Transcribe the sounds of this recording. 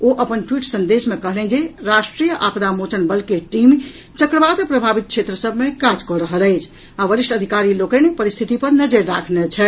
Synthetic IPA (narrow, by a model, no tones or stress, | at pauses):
oʔəpənʈwiʈsə̃nd̪esmekəɦlɛnd͡ʒeɾasʈɾijəʔapd̪amot͡ʃənbəlkeʈim | t͡ʃəkɾəbad̪pɾəbʱabit̪̚kʰt͡ʃʰet̪ɾəsəbʱmekad͡ʒkɔɾəɦələɪt͡ʃʰ | aʋəɾiʃʈəd̪ʱikaɾilokənepəɾist̪ʰit̪ipəɾnəd͡ʒeɾːakʰnet͡ʃʰɛ